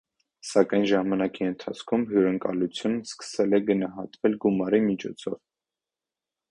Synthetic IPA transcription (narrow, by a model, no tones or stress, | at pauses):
sɑkɑjnʒɑmɑnɑkiənt̪ʰɑt͡sʰkʰumɦjuɾəŋkɑ̰lut͡sʰjunskə̥sɛlɛɡənɑɦɑt̪vɛlɡumɑɾimit͡ʃʰɔt͡sʰɔ̰v